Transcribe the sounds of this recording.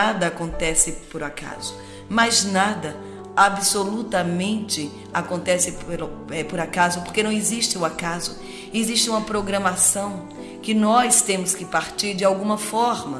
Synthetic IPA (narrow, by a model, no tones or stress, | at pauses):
ad̪ɐakõnt̪ɛsɪpoɾaka̰zʊ | maznad̪ɐ | abɪsolut̪ɐmẽnt͡ʃɪ | akõnt̪ɛsɪelɛpoɾakazʊpoɾkenɐ̃w̃eziʃt͡ʃɪʊakazʊ | eziʃt͡ʃɪũmɐpɾoɡɾɐ̃masɐ̃w̃ | kɪnɔst̪ẽmʊskɪpaɾt͡ʃiɾd͡ʒɪawɡũmɐfɔɾmɐ